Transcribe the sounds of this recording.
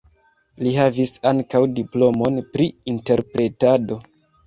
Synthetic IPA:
lihɦavisaŋkawdiplo̞mo̞npɾiinte̞ɾpɾe̞tado̞

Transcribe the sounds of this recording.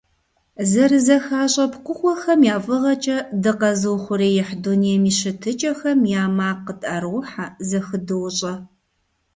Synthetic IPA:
zɐrɨzɐxaːɕʼɐpqʷʊxʷɔxɐmjaːfʼɨʁɐt͡ʃʼɐdɨqɐzɨwχʷʊɾeːjɛħdunijɛmiːɕɪtʰɨt͡ʃʼɐxɐmjaːmaːqːətʼaɾwħazɐxɨdɨwɕʼɐ

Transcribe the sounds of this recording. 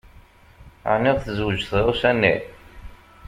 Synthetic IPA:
ʕnːɪʁθəzwəd͡ʒθʁusænːi

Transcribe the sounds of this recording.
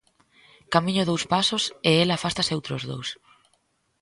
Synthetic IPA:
kamĩɲoðowspasoseelaːfast̪asewt̪ɾozðo̰ws

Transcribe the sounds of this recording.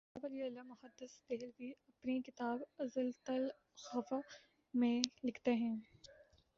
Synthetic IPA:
abɐliɐlːamʊhəd̪ːɪsd̪ɛɦlbiɐpnikɪt̪aːbɐzəlt̪ɐl | xɐfa | mẽlɪkʰt̪eɦɛ̃ː

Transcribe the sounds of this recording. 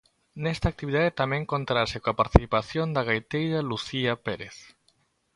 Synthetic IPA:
nɛst̪aːk̚t̪iβiðaðet̪amɛ̃ŋkont̪ɾasekoapaɾt̪i̥θipaθjond̪aɣajt̪ejɾaluθiapeɾeθ

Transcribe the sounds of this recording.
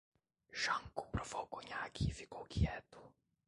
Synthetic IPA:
ʃaŋku̥pɾɔvɔkuɲakifikɔkiɛt̪u̥

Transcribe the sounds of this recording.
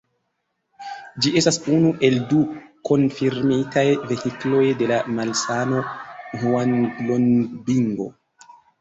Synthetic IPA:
d͡ʒie̞stasunuʔe̞lduko̞nfiɾmitajve̞hiklo̞jde̞lamalsanohuanlonbiŋɡo̞̰

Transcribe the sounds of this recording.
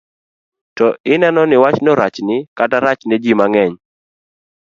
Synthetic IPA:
tɔʔɪnɛnɔnɪwat͡ʃnɔɾat͡ʃnɪkataɾat͡ʃned͡ʒimaŋɛɲ

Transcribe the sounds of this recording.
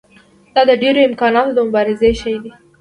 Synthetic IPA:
d̪̥ɑd̪əɖeɾoɪmkɑnɑt̪od̪əmʊbɑɾɪzeʃajd̪i

